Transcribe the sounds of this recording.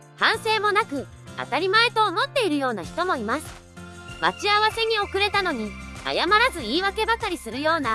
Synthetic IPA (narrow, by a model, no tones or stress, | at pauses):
hãɰ̃se̞ːmo̞nakɯ̟ | a̰t̪aɾʲimae̞t̪o̞ːmo̞t̪ːe̞iɾɯ̟jo̞ːnaçi̥t̪o̞mo̞imasɨ̥ | mat͡ɕiaβase̞ɲ̟io̞kɯ̟ɾe̞t̪ano̞ɲ̟ia̰jamaɾazɨiːβake̞bakaɾʲisɨɾɯ̟jo̞ːna